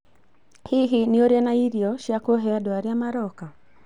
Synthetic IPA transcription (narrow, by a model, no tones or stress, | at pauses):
hiɦiniɔɾɛnaiɾiɔʃakuɔɦɛadɔaɾijamaɾɔka